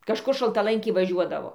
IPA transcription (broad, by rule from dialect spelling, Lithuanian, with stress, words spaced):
kɐʃˈkʊr ʃɐlˠtɐˈlˠɐŋʲkʲɪ ʋɐˈʒʲuɔdɐʋoː